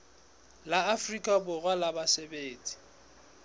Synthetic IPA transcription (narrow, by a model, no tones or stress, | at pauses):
laafrikʼabʊɣwalabasebeːt͡sʼi̥